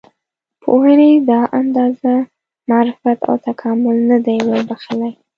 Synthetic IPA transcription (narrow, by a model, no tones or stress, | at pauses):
pʰo̰hanəd̪ɑʔand̪ɑza | maɾɪfat̪ʰa̰wt̪akʰɑmʊlnad̪ajwəbaxɪlaj